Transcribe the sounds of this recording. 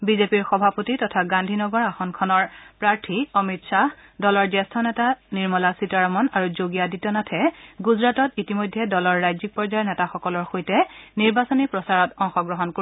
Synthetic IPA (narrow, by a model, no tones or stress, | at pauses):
bizepiɹxɔbʱapotitɔtʰaɡandʱinɔɡɔɹaxɔnkʰɔnɔɹpɹaɹtʰiɔmitsa | dɔlɔɹzɛstʰɔnɛtaniɹmɔlasitaɹɔmɔnaɹuzoɡijaditːɔnatʰɛɡuzɹatɔtitimojdʱːɛdɔlɔɹːajzik̚pɔɹzajɛnɛtaxɔkɔlɔɹxojtɛniɹbasɔnipɹɔsaɹɔtɔŋxɔɡɹɔɦɔnko